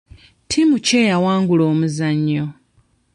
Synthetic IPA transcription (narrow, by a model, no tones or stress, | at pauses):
tʰimuce̞ːjawaːŋɡuloːmuzaɲːo